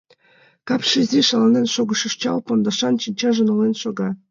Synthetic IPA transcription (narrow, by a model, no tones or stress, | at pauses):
kɑpʃizʲiʃɑlˠɑnenʃoɣɤ̆ʃɤ̆ʂt͡ɕɑ̰lˠpond̪ɑʃɑnt͡ɕinʲt͡ɕɑʒɤ̆nolenʃoɡɑ